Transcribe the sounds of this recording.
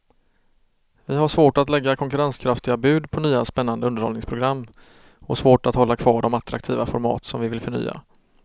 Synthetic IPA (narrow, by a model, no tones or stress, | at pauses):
vɪɦaʂvoːʈat̪lɛɡːakʰɔŋkɵɾanskʰɾaft̪ɪɡabʉ̟ːd̪pʰɔnyːaspɛnːand̪əɵnd̪əɾhɔ̰lɪŋspʰɾʊɡɾamː | ɔsvoːʈat̪hɔlːakʰv̥ɑːɖɔmat̪ʰːɾa̰k̚t̪ʰiːvafɔɾmɑ̰ːt̪sɔmvɪvɪlfœɳy̰ːa̰